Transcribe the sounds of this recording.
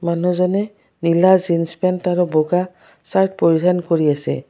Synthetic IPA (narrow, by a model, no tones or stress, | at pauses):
manuzɔnɛ | nilazinspɛntaɹɔbɔɡa | sajt̚poɹidʱankoɹiasɛ̰